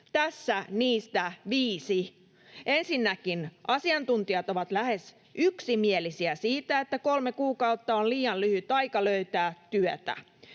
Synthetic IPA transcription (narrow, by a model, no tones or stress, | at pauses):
t̪æsːæniːst̪æʋiːsi | ensinːækinʔɑsiɑnt̪unt̪iɑt̪oʋɑt̪læhes | yksimielisiæsiːt̪æet̪ːækolmekuːkɑut̪ːɑolliːɑllyhyt̪ɑikɑløyt̪æːtt̪yøt̪æ̰